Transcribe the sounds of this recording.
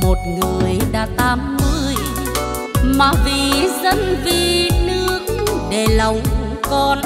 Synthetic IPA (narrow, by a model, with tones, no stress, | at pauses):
mo˨˩t̚ŋɨ˨˩əjɗa̰ː˧˩t̪aː˧mːɨ˧j | maː˨˩vi˨˩zə˧nvi˨˩nɨ˧˥ək̚ɗe˨˩lə˨˩wŋ͡m | kɔ˧n